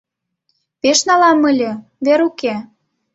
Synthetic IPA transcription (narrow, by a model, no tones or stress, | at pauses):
peʃnɑlɑmə̆lʲɤ̆ | βeɾuke